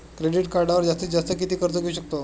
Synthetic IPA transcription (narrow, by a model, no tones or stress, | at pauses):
kɾeɽiʈkaɾɖaʋəɾd͡zast̪iːt͡sd͡zast̪əkit̪iːkəɾt̪əɡʱeuɕək̚t̪o